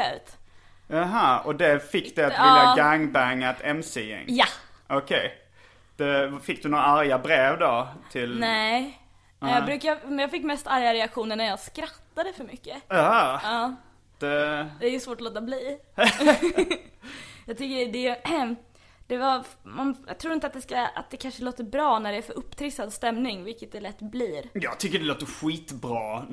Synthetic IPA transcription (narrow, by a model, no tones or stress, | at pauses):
ɛt̪ | aɦaɔd̪ɛfɪkːd̪ɛat̪ɪːaɡaŋbæŋat̪ʰɛmsiɪ̰ŋjaʔɔkʰɛj | d̪̥ɛfɪk̚ːd̪ɵnoːɾaaɾjabɾeːvd̪ɔt̪ʰɪlnɛ | njɑːɡbɾʉ̟ːkaɛjɑːɡfɪkːmɛst̪aɾjaɾɛakɧuːnənæɾjɑːɡskɾat̪ːad̪əfœɾmʏkːəɑɑː | d̪̥ɛd̪ɛæjəsvoːʈɔloːt̪abliː | jɑɡt̪ʰʏkːəɖɛj | d̪̥ɛvamanjɑ̰ɡt̪ʰɾuːɾɪnt̪at̪d̪ɛskaa̰t̪̚d̪ɛkʰanʂəloːt̪əɾbɾɑːnæɖɛːfœɾʔɵpːt̪ʰɾɪsad̪st̪ɛmnɪŋvɪlkət̪̚d̪ɛlɛt̪ːbliːɾjɑːɡ̚t̪ʰʏkːəɖɛloːt̪əɧiːt̪bɾɑː